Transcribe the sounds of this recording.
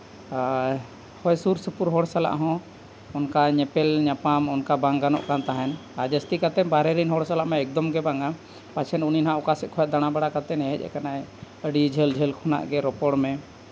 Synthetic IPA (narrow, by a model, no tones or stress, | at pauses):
hɔjsuɾsupuɾɦɔɽsala̰ʔɦɔ̃ | ɔnkaɲɛpɛlɲapamɔnkabaŋɡanɔ̰ʔkant̪aɦɛnad͡ʒəst̪ikat̪ɛnbaɾɛɾinɦɔɽsalaʔmɛːk̚d̪ɔmɡɛbaŋɡa | pat͡ʃʰɛnuninɦãɔkasɛkʰɔjɛt̪̚d̪aɽ̃abaɽakat̪ɛnɛɦɛ̰cˀɛ̰kanaɛ | əɖid͡ʒʱəld͡ʒʱəlkʰuna̰ʔɡɛɾɔpɔɽmɛ